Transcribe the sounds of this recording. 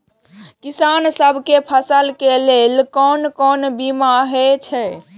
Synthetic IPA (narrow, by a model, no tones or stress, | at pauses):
kisansəbʱkepʰəsəlkelelkɔnkɔnbimaɦet͡ʃʰɛ